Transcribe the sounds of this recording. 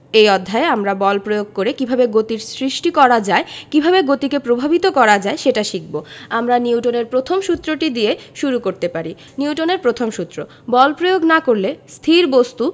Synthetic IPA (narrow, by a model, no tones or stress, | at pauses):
ejɔd̪ʱːaeamɾabɔlpɾojoɡ̚koɾekibʱabeɡot̪iɾsɾiʃʈikɔɾad͡ʑaekibʱabeɡot̪ikepɾobʱabit̪okɔɾad͡ʑaeʃeʈaʃik̚boamɾaniwʈoneɾpɾot̪ʰomʃut̪ːɾoʈid̪ieʃuɾukoɾt̪epaɾi | niuwʈoneɾpɾot̪ʰomʃut̪ːɾo | bɔlpɾojoɡnakoɾlest̪ʰiɾbost̪u